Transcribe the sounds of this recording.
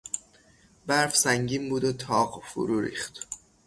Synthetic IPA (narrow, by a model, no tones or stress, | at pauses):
bæɾfsæŋɟiːmbuːd̪ot̪ʰɒːɢfṵɾuːɾḭːχt̪